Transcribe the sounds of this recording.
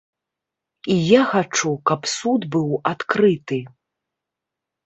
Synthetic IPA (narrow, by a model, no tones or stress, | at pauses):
ijaxat͡ʂukɐpsud̪bɨwat̪kɾɨt̪ɨ